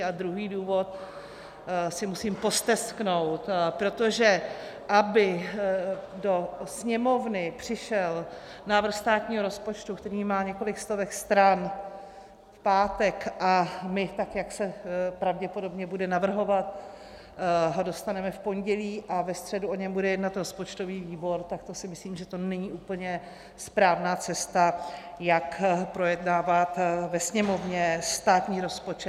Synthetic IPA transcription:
ad̪ɾuɦiːduːvo̞t̪̚ | sɪmusiːmpo̞st̪ɛskno̞wt̪pɾo̞t̪o̞ʒɛʔabɪ | do̞sɲɛmo̞vnɪpr̝̥ɪʃɛl | naːvr̩xst̪aːt̪ɲiːɦoɾo̞spo̞t͡ʃt̪ukt̪ɛɾiːmaːɲɛko̞lɪkst̪o̞vɛkst̪ɾan | fpaːt̪ɛkʔamɪt̪akjaksɛpɾavɟɛpo̞do̞bɲɛbudɛnavr̩ɦo̞vat̪ | ɦodo̞st̪anɛmɛfpo̞nɟɛliːʔavɛst̪r̥ɛduʔo̞ɲɛmbudɛjɛdnat̪ɾo̞spo̞t͡ʃt̪o̞viːviːbo̞ɾt̪akt̪o̞sɪmɪsliːmʒɛt̪o̞nɛɲiːʔuːpl̩ɲɛ | spɾaːvnaːt͡sɛst̪a | jakpɾo̞jɛdnaːvat̪vɛsɲɛmo̞vɲɛst̪aːt̪ɲiːɾo̞spo̞t͡ʃɛ

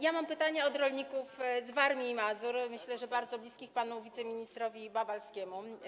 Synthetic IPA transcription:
jamampɘt̪aɲɛɔd̪ɾɔlɲikufzvaɾmʲiːmazuɾmɘɕlɛʐɛbaɾd̪zɔblʲiskʲixpanuvʲit̪sɛmʲiɲist̪ɾɔvʲibabalskʲɛmu

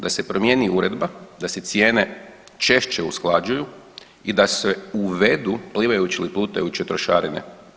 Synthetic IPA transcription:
d̪ase̞pɾomje̞ːniuɾe̞d̪bad̪aset̪sjeːne̞ | t͡ʃe̞ʃt͡ʃeusklˠad͡ʒuju | id̪aseuʋe̞d̪upliʋajut͡ʃiliplˠuːt̪ajut͡ɕet̪ɾoʃaɾinḛ

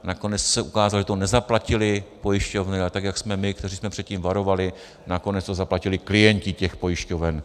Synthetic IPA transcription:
nako̞nɛt͡ssɛʔukaːzalʒɛt̪onɛzaplacɪlɪpo̞jɪʃco̞vnɪat̪aɡjaksmɛmɪkt̪ɛriːsmɛpr̝̥ɛt̪̚ciːmvaɾo̞valɪ | nako̞nɛt͡st̪ozaplacɪlɪklɪjɛɲcɪcɛxpo̞jɪʃco̞vɛn

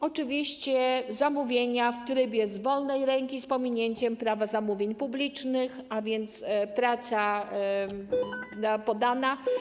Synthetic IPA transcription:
ɔt͡ʂɘvʲiɕt͡ɕɛzamuvʲjeɲaft̪ɾɘbʲjɛzvɔlnɛjɾɛŋkʲispɔmʲiɲeɲt͡ɕɛmpɾavazamuvʲjeɲpublʲit͡ʂnɘxavʲjɛnt̪spɾat̪sa | apɔd̪ana

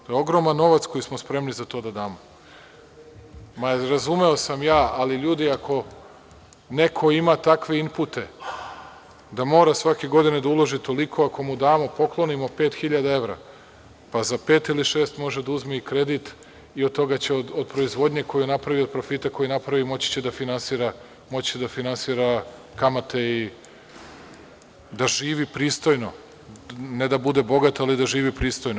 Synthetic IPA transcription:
t̪ojeo̞ɡɾo̞manːo̞ʋat̪skojismospɾe̞mnizat̪o̞ːd̪ad̪aːmo | maɾazume̞o̞samjaːaliʎuːd̪iakʰo̞ | ne̞kʰo̞imat̪akʋe̞imput̪e̞ | d̪amo̞ːɾasʋake̞ɡo̞d̪ined̪aulˠo̞ʒit̪o̞likʰo̞akʰo̞mud̪aːmo̞po̞klˠo̞nimo̞pe̞ːt̪xiʎad̪ae̞ʋvɾa̰ | pazape̞ːt̪iliʃeːst̪mo̞ʒed̪auzmeikɾe̞d̪it̪ | iod̪̚t̪o̞ɡat͡ɕeod̪od̪pɾo̞izʋo̞d̪ɲe̞ko̞junapɾaʋiod̪̚pɾo̞fit̪ako̞jinapɾaʋimo̞t͡ɕi̥t͡ɕe̞d̪afinansiːɾa | mo̞t͡ɕid̪afinansiːɾakamat̪e̞i | d̪aʒiːʋipɾiːst̪o̞jno̞ | ned̪abud̪e̞bo̞ɡat̪alid̪aʒiːʋipɾiːst̪o̞jno

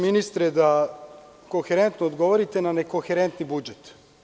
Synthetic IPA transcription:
minist̪ɾed̪a | koxeɾent̪noːd̪ɡo̞ʋoɾit̪e̞naneko̞xeɾent̪nibud͡ʒet̪

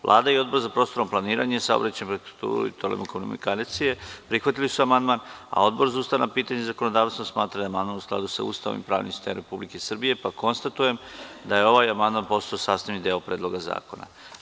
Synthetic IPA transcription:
ʋlˠʔˠa̰ːd̪aio̞d̪bo̞ɾzapɾo̞ːst̪o̞ɾo̞mplˠaniːɾaɲesaobɾat͡ɕenpɾekut̪ṵːɾṵḭt̪olḛmokonomikalt̪sije̞pɾixʋat̪ilisuamand̪mana̰o̞d̪bo̞ɾzauːst̪aʋanapiːt̪aɲezakono̞d̪aːʋst̪osmaːt̪ɾad̪amand̪manuskla̰d̪usaṵːst̪aʋo̰mimpɾa̰ːʋnimsi̥st̪eːmɾe̞publike̞sr̩bije̞pako̞nst̪at̪uje̞md̪aje̞o̞ʋaːjamand̪manpo̞st̪aosaːst̪aʋnid̪eopɾe̞ːd̪lˠo̞ɡaza̰ːko̞na̰

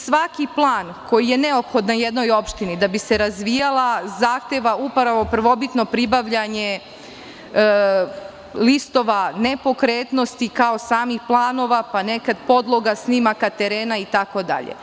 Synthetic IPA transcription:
sʋakiplˠaːn | ko̞jije̞ne̞opxo̞d̪najed̪no̞jo̞pʃt̪inid̪abise̞ɾazʋijalˠazaːxt̪eʋaupaɾaʋopr̩ʋo̞bit̪no̞pɾibaʋʎaɲe̞ | list̪o̞ʋane̞po̞kɾeːt̪no̞st̪ikaosaːmixplˠaːno̞ʋapane̞kad̪po̞d̪lˠo̞ɡasniːmakat̪e̞ɾeːnait̪ako̞d̪a̰ʎḛ

